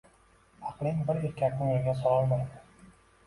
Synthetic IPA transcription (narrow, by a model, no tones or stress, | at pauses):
ɑqlˠɪŋbɪɾeɾkʲʰːakʲʰːʊŋlaɡʲasɒlɒlmajd̪ɪ